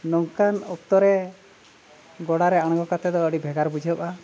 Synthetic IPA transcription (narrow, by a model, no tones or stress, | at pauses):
nɔŋkanɔk̚t̪ɔɾɛ | ɡɔɽaɾɛaɽ̃ɔŋɡɔkat̪ɛd̪ɔəɽibʱɛɡaɾbud͡ʒʱɔpa